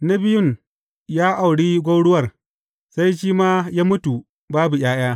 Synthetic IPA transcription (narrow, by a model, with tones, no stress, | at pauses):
na˦bɪ˦jʊ˦n | jaː˦ʔa˨wɽiː˦ɡʷa˦wɽʊ˦wɐ˨r | sa˦jʃ̬iː˦maː˦jaː˦mʊ˦tu˨ | baː˦bu˨j̰aː˦j̰aː˦